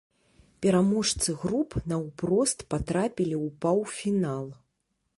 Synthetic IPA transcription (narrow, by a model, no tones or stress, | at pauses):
pʲɛɾamɔʂt̪sɨɣɾupnɐwpɾɔst̪pat̪ɾapʲilʲiwpawfʲinalˠ